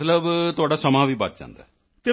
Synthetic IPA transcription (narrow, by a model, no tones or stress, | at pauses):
t̪ləbt̪ʊaːɖaːsəmãːʋiːbət̪̚d͡ʒã̰ːnd̪a̰ɛ | k̪ɪ